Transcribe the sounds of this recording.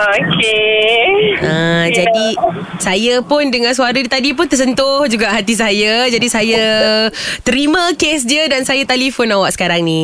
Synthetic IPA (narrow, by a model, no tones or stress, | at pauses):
oke | əd͡ʒadisajəpʊndəŋãns̬uaɾət̪adip̬ʊnt̪ərs̬ənt̪ʊhd͡ʒuɡaʔɦat̪is̬ajəd͡ʒadisajə | t̪əɾimãkes̬diədansajat̪alifonawaʔsə̥kaɾaŋni